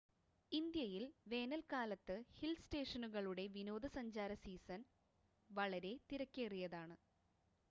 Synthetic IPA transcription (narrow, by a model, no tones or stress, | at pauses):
ind̪jɐjilʋe̞ːnɐlkaːlɐt̪ːɨhilste̞ːʂɐnuɣɐɭuɽe̞ʋino̞ːd̪ɐsɐɲd͡ʑaːɾɐsiːsɐn | ʋɐɭɐɾe̞t̪iɾɐkʲːeːrijɐðaːɳɨ